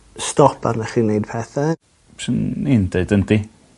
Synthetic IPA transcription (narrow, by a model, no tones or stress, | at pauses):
stɔpʰa̰rnaχiːnejd̚pʰɛθa | psɪnindeɨdəndi